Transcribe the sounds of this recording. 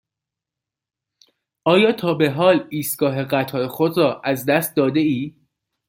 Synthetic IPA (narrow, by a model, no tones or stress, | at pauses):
ʔɒːjɒːt̪ʰɒːbe̞ɦɒːliːst̪̚ɡ̥ɒːɦe̞ɢæt̪ʰɒːɾexod̪ɾɒːʔæzd̪æst̪̚d̪ɒːd̪e̞iː